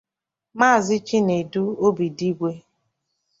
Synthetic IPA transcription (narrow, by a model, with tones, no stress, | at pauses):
ma˦˨zɪ˦t͡ʃi˦ne˨du˦o˦bi˨di˦ɡʷe˦